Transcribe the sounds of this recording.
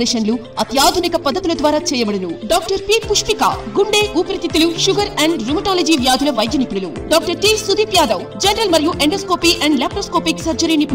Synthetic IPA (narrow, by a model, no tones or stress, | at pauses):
d̪ɐʃɐnlu | ɐt̪jaːd̪ʱunikɐpɐd̪ːɐt̪ulɐd̪ʋaːɾaːt͡ʃɛːjɐbɐɽɐnuɖaːk̚ʈɐɾpiːpuʂpika̰ːɡuɳɖeːʔuːpɐɾit̪it̪iluʃuɡɐɾɛɳɖɾumɐʈaːlɐd͡ʒiːʋjaːd̪ʱilɐʋɐjd̪jɐnipuɽɐlu | ɖaːk̚ʈɐɾʈiːsud̪iːpjaːd̪ɐwd͡ʒɐnɾɐlmɐɾijuʔeɳɖɐskoːpiːʔɛɳɖlaːpɾoskoːpiksɐɾd͡ʒɐɾiːnipː